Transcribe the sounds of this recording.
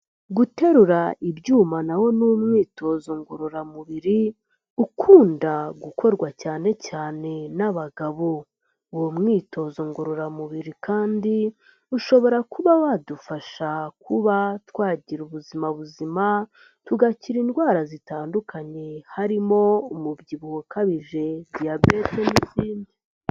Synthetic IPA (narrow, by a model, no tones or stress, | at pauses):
ɡute̞ɾuɾaʔibɟuːmanaho̞numŋiːto̞ːzo̞ŋɡoɾoɾamuβiɾi | ukʰuːndaɡukʰo̞ɾɡwacaːne̞caːne̞naβaɡaβo̞ | womŋiːto̞ːzo̞ŋɡoɾoɾamuβiɾikʰaːndi | uʃo̞βo̞ɾakuβawadufaʃakʰuβatwaːɟiɾuβuzimaβuzima | tuɡaciɾiːndɡwaːɾazitaːndukʰaɲe̞haɾimo̞umubɟiβuhokaβiʒe̞dijabe̞te̞niziːndi